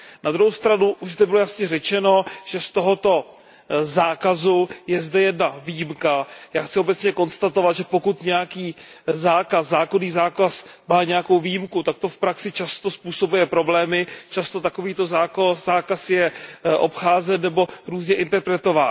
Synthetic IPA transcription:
nad̪ɾuɦowst̪ɾanuʔuʒzd̪ɛbɪlo̞jasɲɛrɛt͡ʃɛno̞ʒ̥ɛst̪o̞ɦo̞t̪o̞ | zaːkazujɛzdɛjɛdnaviːjimkajaːxtt͡sɪobɛt͡sɲɛko̞nst̪at̪o̞vat̪ʒɛpokut̪ɲɛjakiːzaːkaszaːko̞niːzaːkasmaːɲɛjakowviːjimkut̪ak̚t̪o̞fpɾaksɪt͡ʃast̪o̞spuːso̞bujɛpɾo̞blɛːmɪt͡ʃast̪o̞t̪ako̞viːt̪o̞zaːkoz̥aːkasjɛʔo̞̰pxaːzɛnːɛbo̞ɾuːzɲɛʔɪnt̪ɛɾpɾɛt̪o̞vaːn

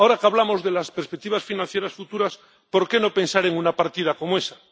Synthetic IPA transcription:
aoɾakaβ̞lamo̞zðelaspeɾspek̚t̪iβasfinãn̟θjeɾasfut̪uɾas | po̞ɾke̞no̞pe̞nsaɾeŋunapaɾt̪ið̞ako̞moesa

